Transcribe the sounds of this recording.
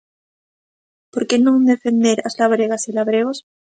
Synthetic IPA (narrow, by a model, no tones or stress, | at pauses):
poɾkenõŋd̪e̞fe̞nd̪eɾazlaβɾeɣasilaβɾeɣ̞os